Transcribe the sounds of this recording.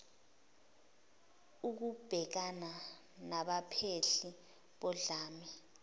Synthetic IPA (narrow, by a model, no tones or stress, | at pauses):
uk̬ub̥ʱɛk̬ana | naɓapʰeɬi | ɓɔɮaːmi